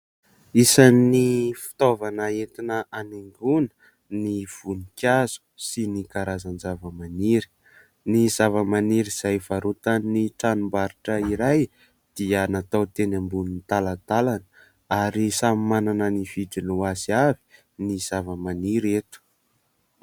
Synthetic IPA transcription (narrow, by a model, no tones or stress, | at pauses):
isanifi̥t̪ovanaet̪inəʔaneŋɡunə̥ | niv̥unikʲaz̥u̥sinikaɾazand͡zavəmaniɾi̥ | niz̥avəmaniɾiz̥ajv̥aɾut̪annːiʈ͡ʂanumbaɾiʈ͡ʂəiɾaj | d̪̥iənat̪awt̪enambunnit̪alat̪alanə | aɾisamimananəniv̥iʈ͡ʂinuaziavi̥ | niz̥avəmaniɾet̪u̥